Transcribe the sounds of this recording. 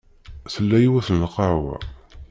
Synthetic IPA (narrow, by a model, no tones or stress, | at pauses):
θəlːæjiwæθənːəqɑɾwæ̰